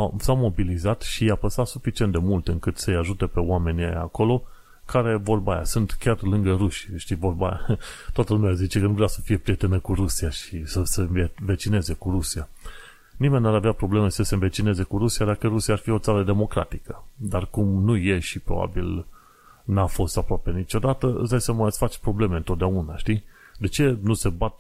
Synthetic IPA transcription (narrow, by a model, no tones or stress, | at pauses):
samo̞bilizat̪ʃijapəst̪at̪sufit͡ʃient̪d̪e̞mult̪ɨŋkɨt̪səjaʒut̪epe̞oame̞nʲiḛja̰ko̞lo̞ | kaɾe̞vo̞rbaja̰sunt̪kʲarlɨŋɡəɾuʃʃt̪ivo̞rba̰ja̰t̪oat̪əlumeazit͡ʃe̞kənuvɾeasəfije̞pɾije̞t̪enəkuɾusiaʃisəse̞neve̞t͡ʃine̞ze̞kuɾusia | nime̞nʲnaɾaveapɾo̞ble̞mesəsenve̞t͡ʃine̞ze̞kuɾusijad̪akəɾusijaːrfio̞t̪saɾəd̪e̞mo̞kɾa̰t̪ikəd̪arkumnuje̞ʃipɾoba̰bḭl | nafo̞st̪apɾoape̞nit͡ʃo̞d̪at̪əɨ̰zd̪ajsəmət̪sfat͡ʃʲpɾo̞ble̞me̞ɨnt̪ot̪̚d̪eaunaʃt̪i | d̪e̞t͡ʃe̞nuse̞bat̪̚